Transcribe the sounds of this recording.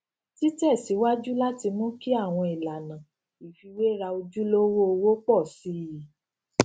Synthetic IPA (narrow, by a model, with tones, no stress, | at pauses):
ti˦tɛ˦˨si˨˦wa˦d͡ʒu˦la˦ti˧mɔ̃˦ki˦a˦˨w̃ɔ̃˧i˨la˨nã˨ | i˨fi˧we˦ɾa˧o˧d͡ʒu˦lo˦wo˦o˧wo˦k͡pɔ˦˨si˨˦˨ji˨